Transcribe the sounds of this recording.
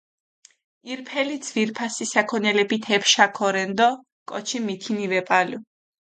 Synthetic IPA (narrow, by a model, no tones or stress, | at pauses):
iɾpʰɛlid̪zviɾpʰasisakʰɔnɛlɛbit̪ʰɛpʰʃakʰɔɾɛnd̪ɔ | kʼɔt͡ʃʰimit̪ʰinivɛpʼalu